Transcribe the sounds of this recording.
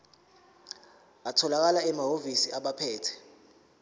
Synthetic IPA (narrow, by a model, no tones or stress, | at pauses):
atʰɔlak̬alaɛmaɦovisiaɓapʰɛːtʰɛ̥